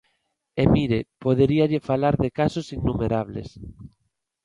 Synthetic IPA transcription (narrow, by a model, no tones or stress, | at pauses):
emiɾepoðeɾiaʎefalaɾðekasosinːumeɾaβ̞lḛs